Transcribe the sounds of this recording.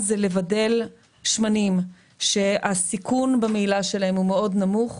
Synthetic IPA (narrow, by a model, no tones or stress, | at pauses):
zelevade̞l | ʃmanim | ʃe̞asikʰunbamiːlaʃe̞lahe̞mhumeo̞dnamuχ